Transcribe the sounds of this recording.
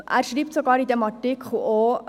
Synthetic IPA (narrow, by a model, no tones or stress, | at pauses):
ʔæ̰ːɾʃɾiːptsoɡɑːɾid̪ɛmɑtikχuo